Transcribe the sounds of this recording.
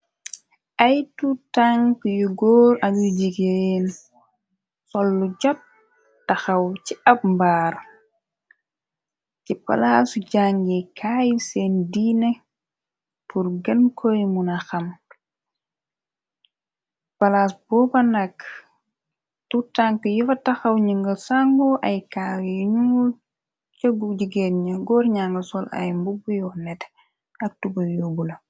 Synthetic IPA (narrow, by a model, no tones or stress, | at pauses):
ʔajtutaŋkjɔɡɔːɾanud͡ʒiɡɛn | sɔlːud͡ʒɔt̚ | tːaxawt͡ʃiʔabmbaːɾ | t͡ʃɛpa̰lasud͡ʒaŋɡɛkʰaːjisɛndinɛ | puɾɡankʰojmunaxɐm | pɐlaːsbɔːbɐnɐk | tutaŋkəjufɐtɐxɐwɲiŋɡɐsaŋɡɔʔɐjkawjɲuŋɡu | t͡ʃɐɡuɟiɡɛnɲɐɡɔːrɲaŋɡɐsɔlɐ̰jmbubujɔnɛt | ɐk̚tubɐjobulɐ